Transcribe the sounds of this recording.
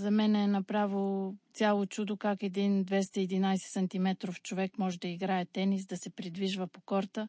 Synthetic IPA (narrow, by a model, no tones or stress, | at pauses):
zɐmɛnɛːnɐpɾavilt̪sʲalˠot͡ʃud̪okakɛd̪ind̪vɛst̪əiːd̪inajsɛ̥sɐnt̪imɛt̪ɾoft͡ʃovɛkmɔʒɛd̪ɐiɡɾaɛt̪ɛnisd̪ɐsɛpɾid̪viʒvəpokɔɾt̪ə